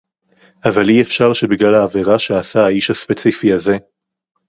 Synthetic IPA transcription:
avaliefʃaʁʃe̞biɡlalaːveʁaʃeasaaiʃhaspe̞t͡sifiaze̞

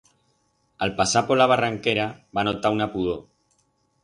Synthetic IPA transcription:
alpasapolaβ̞araŋkeɾaβanot̪aunapuðo

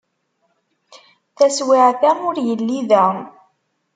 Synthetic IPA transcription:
θæswiʕθæʊɾjəlːiðæ

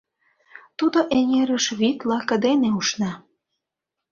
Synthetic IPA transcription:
t̪ud̪oʔeŋeɾəʃβit̪lɑkə̆d̪eneuʃnɑ

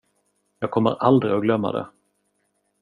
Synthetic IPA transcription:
jɑːɡ̚kʰɔmːəɾʔald̪ɾɪɔɡlœmːa̰d̪ɛ̰

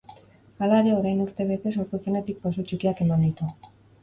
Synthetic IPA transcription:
alaɾeo̞ɾajnuɾt̪e̞βet̪e̞so̞ɾt̪usene̞t̪ik̚posot͡ʃikiake̞mand̪it̪u

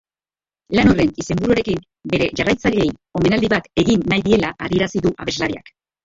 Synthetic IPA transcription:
lano̞re̞nise̞mbuɾuaɾe̞kim | be̞ɾe̞ʝarajt͡saʎe̞jo̞me̞nald̪iβat̪e̞ɣinːajðie̞laʔaɾie̞ɾasiðuʔaβe̞zlaɾia̰k

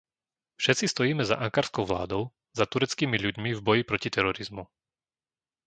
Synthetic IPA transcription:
fʃɛt̪t͡sist̪ɔjiːmɛza̰ʔaŋkaːɾskɔʊʋla̰ːd̪ɔʊ | zat̪uɾɛt͡skiːmiʎuɟmivbɔjipɾɔcit̪ɛɾɔɾizmu

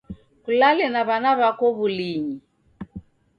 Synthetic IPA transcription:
kulalɛnaβanaβakɔβuliɲi

